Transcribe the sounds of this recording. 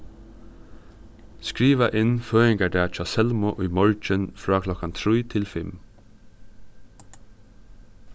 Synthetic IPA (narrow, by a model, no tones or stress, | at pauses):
skɹiːʋaʔɪnføːɪŋkaɖæːt͡ʃɑsɛlmʊʔʊjmɔɹt͡ʃənfɾɑːkʰlɔkant̪ʰɾiːt̪ʰɪlfɪm